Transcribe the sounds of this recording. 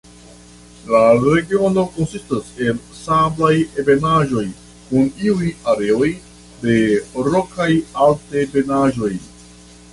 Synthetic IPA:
laɾe̞ɡio̞no̞ko̞nsistase̞lsablajebe̞naʒo̞j | kuniujaɾe̞o̞j | de̞ɾokajaltebe̞naʒo̞j

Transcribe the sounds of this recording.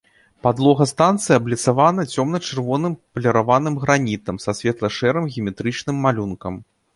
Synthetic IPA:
pad̪lˠɔɣɐst̪ant̪sɨjɐblʲit̪savanɐt͡sʲɔmnɐt͡ʂɨrvɔnɨmpɐlʲɐɾavanɨmɣɾanʲit̪ɐmsɐsʲvʲɛt̪lˠɐʂɛɾɨmɣʲimʲɛt̪ɾɨt͡ʂnɨmːalʲunkɐm

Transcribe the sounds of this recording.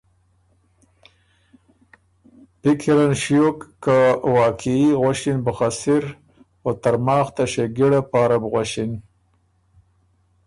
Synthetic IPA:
pɪkʰiɾanʃjokːawɑːkʰiiɣaʃinbəxasɪɾ | xot̪aɾmɑːxt̪aʃeɡiɽapɑːɾabɣwaʃin

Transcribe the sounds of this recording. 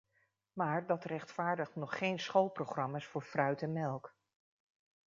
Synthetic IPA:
maːɹdɑtrɛχtfaːɹdəχtnɔχːejnsχolˠprowχrɑmaːsfʊːɹfrœɥtɛnmɛlˠk

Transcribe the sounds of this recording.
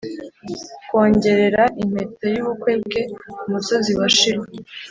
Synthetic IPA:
kwo̞ːɲɟe̞ɾe̞ɾaʔim̥hetojuβukwe̞ːbɡe̞kumuso̞ziwaʃiɾe

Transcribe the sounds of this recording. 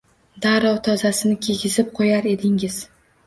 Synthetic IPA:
d̪aɾɒwt̪ʰɒzasɪnɪkʲʰeɡʲɪzɪp̚qʰojaɾe̞d̪ɪŋɪz̥

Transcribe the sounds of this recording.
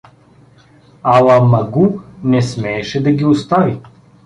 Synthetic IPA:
alˠamɐɡunɛsmɛːʃɛd̪aɡʲiost̪avi

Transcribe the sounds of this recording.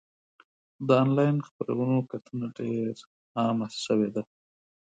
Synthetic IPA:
d̪əɑnlɑjnxpəɾa̰wənokat̪ʰunaɖeɾ | ɑmasʃəwed̪a

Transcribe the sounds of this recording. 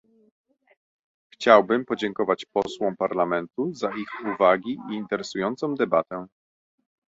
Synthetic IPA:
xt͡ɕawbɘmpɔd͡ʑɛŋkɔvat͡ɕpɔswɔ̃w̃paɾlamɛnt̪uzaixuvaɡʲiʔiːnt̪ɛɾɛsujɔnt̪sɔ̃w̃d̪ɛbat̪ɛ

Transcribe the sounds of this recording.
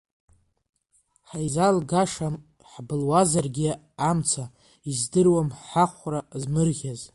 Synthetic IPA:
ħajzalɡaʂam | ħbɨlwazarɡʲɪ | amt͡sʰa | izdɨrwamħaχʷrazmɨrʁʲaz

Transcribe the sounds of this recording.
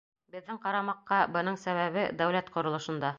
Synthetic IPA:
bɘ̆ðːɘŋqɑɾɑmɑqːɑbɤ̆nɤɴsæβæβɘd̪æwlæt̪qŏɾŏlˠɤ̆ʃɤ̆nd̪ɑ

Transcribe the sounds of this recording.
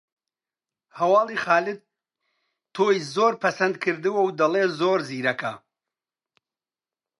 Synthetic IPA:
hɐwɑːlˠiːxɑːlɪd̪̚ | t̪ʰːoːjzoːɾpʰɐsɐnd̪̚kʰɨɾd̪ɨwɐwd̪ɐleːzoːɾziːɾɐkɐ

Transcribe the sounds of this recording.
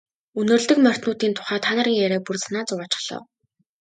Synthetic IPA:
ɵnɵ̆rɮt̪ɵ̆kmœr̥ʲt̪nʊːt̪iːnt̪ʰʊ̥χæːt̪ʰːanə̆ɾiːŋjæɾæːpurt͡sanaːt͡sʊwaːt͡ɕɪ̥̆χɮ̥ɞ̰ːw

